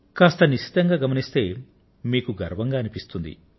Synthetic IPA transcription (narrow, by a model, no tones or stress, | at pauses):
kaːst̪ɐniʃi̥t̪ɐŋɡaːɡɐmɐnist̪e̞ː | miːkuɡɐ̰ɾʋɐŋɡaːnipist̪und̪ḭ